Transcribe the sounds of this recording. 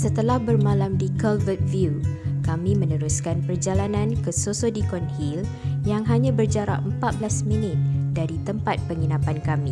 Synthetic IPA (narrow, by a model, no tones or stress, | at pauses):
sət̪əlahbərmãlamdikɔlvət̪̚viukamĩmə̃nəɾuskanpərd͡ʒalanãnkəsosodikɔnhil | jaŋɦaɲãbərd͡ʒaɾa̰ʔəmpat̪̚bəlasminɪt̪̚daɾit̪əmpat̪̚pəŋinapankamĩ